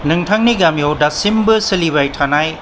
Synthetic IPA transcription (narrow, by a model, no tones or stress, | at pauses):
nɯŋtʰaŋniɡamijɔwdasimbɯsɯliβajtʰanaj